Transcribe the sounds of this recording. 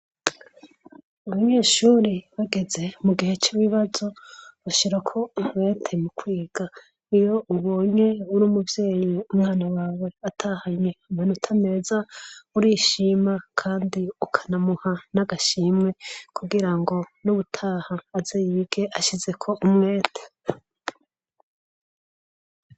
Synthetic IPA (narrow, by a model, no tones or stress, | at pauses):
aβaɲe̞ːʃuɾiβaɡe̞ze̞muɡihe̞t͡ʃiβiβazo̞βaʃiɾakʰo̞wetʰemukwiːɡ̥a | ijo̞uβo̞ːɲe̞uɾuːmuvje̞ːjiumŋaːnawaːwe̞atʰahaɲe̞umenutʰame̞zauɾiːʃiːmakʰaːndiukʰḁnamuhanaɡaʃimwe̞kʰuɡiɾaŋɡo̞nuβutʰaːhaːzejibɡe̞ʔaʃize̞kʰo̞ʔumŋe̞ːtʰe̥